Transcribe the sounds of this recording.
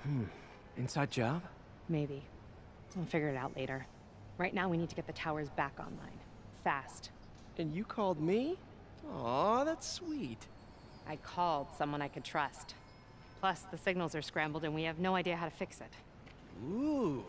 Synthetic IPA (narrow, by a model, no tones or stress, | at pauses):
mm̩ | ɨ̃nsaɪd̚d͡ʒɑb̥ | meɪbi | aɪlˠfɪɡjə˞ɨɾaʊʔˡlʔeɪɾə˞ | ɹaɪtⁿnaʊwinid̚tʰɨɡɛt̪̚ðɨtʰaʊə˞zbækɑ̰̃nlã̰ɪ̃n | fæst | ʔɨ̃njɨkʰɔlˠd̚mi | ɔðætswit | ʔaɪkʰɔlˠd̥sʌ̃mwʌ̃ñaɪkɨd̚tʰɹ̥ʌst | pʰl̥ʌsðɨsɪɡ̚nl̩ˠzə˞skɹæ̃mbl̩ˠdɨ̃nwiɨvnoʊaɪdiɨɦaʊɾɨfɪksɪt̚ | u